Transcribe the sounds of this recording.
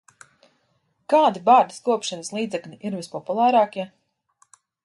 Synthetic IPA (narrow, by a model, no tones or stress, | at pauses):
kaːd̪ibaːɾd̪iskuɔpʃanɐslˠiːd̪zɛklʲiʔiɾvispɔpulˠaːɾaːkʲiɛ